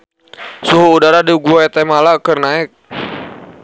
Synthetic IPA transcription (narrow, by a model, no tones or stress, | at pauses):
suɦuːdaɾadiuɡuat̪ɛmalakərnaɪk̚